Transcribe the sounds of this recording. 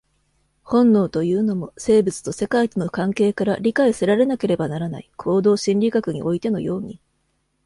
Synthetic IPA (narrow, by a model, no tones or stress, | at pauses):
hõ̞nːo̞ːt̪o̞jɯ̟ːno̞mo̞se̞ːbɯt͡sɨ̥t̪o̞se̞kait̪ono̞kãŋke̞ːkaɾaɾʲikaiseɾaɾe̞nake̞ɾe̞banaɾana̰ikʰo̞ːd̪o̞ːɕĩnʲɾʲikakɯ̟ɲ̟ḭʔo̞it̪e̞no̞̰jo̞ːɲ̟i